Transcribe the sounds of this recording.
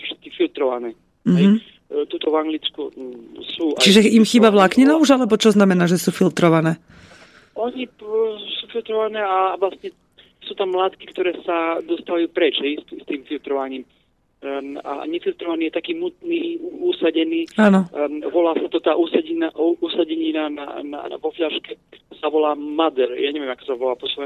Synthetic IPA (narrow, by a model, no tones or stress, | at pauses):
fʃɛ̥t̪̚kifilt̪ɾɔʋa̰nɛː | m̩ɦɛj̩ | t̪uːt̪ɔvaŋɡlit͡skusuːat͡ʃiʒɛimxiːbaʋlakɲinauʒalɛbɔt͡ʃɔznamɛnaːʒɛsuːfilt̪ɾɔʋanɛː | ɔɲisuːfilt̪ɾɔʋanɛːaʋlast̪ɲɛ | suːt̪amːlaːt̪kikt̪ɔɾɛːsad̪ɔst̪aʋajupɾɛt͡ʃɦɛjst̪st̪iːmfilt̪ɾɔʋaɲiːm | a̰ɲɛfilt̪ɾɔʋaniːjɛt̪akiːmut̪niːuusaɟɛniːaːnɔʋɔlaːsat̪ɔt̪aːʔusaɟinaʔusaɟɛɲinana̰na̰ʋɔfʎaʃkɛsaʋɔlaːmad̪ɛɾjaːɲɛvʋɪɛmakɔ̥saʋɔlaːpɔsʋɔɛ